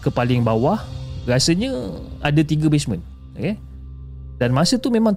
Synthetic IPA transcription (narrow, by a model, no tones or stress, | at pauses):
kəpalɪŋbawahɾasəɲəa̰dat̪iɡabesmə̃n | ke | danmasət̪umemãŋ